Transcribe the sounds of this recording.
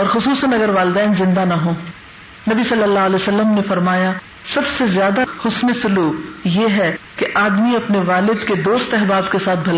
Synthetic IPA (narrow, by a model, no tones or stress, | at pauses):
ɔːɾxʊsuːsənɐɡəɾʋaːlɪd̪ɛːnzɪ̃nd̪anɐɦõː | nɐbisɐlːəlːaːɦlɛːsɐlːəmnefɐɾmaːja | sɐbsezjaːd̪ahʊsnisʊluːkjeːɦɛkeʔaːd̪miɐpneʋaːlɪd̪ked̪oːst̪ɛɦbaːbkesaːt̪̚ʰbʱɐla